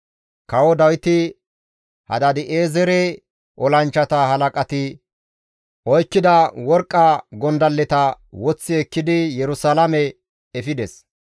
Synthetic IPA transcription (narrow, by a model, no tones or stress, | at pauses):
kɐwɔd̪ɐwɪt̪ɪ | hɐ̰d̪ɐd̪ɪʔeːzɛɾɛ | ʔɔlɐnt͡ʃːɐt̪ɐɦɐlɐkʼɐt̪ɪ | ɔjkːɪd̪ɐwɔɾkʼːɐɡɔnd̪ɐlːɛt̪ɐ | wɔt͡sːɪɛkːɪd̪ɪjɛɾʊsalɐmɛ | ɛfɪd̪ɛs